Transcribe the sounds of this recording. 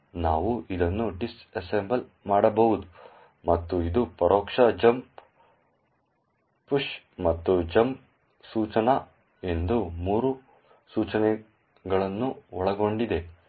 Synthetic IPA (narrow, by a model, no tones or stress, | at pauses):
naːʋuʔid̪ɐnːuɖisɐsembɐl | maːɽɐbɐʋud̪u | mɐt̪ːuid̪upɐɾoːkʂɐd͡ʒɐmp | puʂ | mɐt̪ːud͡ʒɐmp | suːt͡ʃɐnɐ | e̞nd̪umuːɾu | suːt͡ʃɐnɛ | ɡɐɭɐnːuɔɭɐɡo̞ɳɖid̪e̞